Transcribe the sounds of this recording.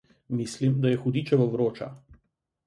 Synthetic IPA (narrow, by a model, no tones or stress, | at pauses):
mislimd̪ajɛxud̪iːt͡ʃɛʋɔʋɾoːt͡ʃa̰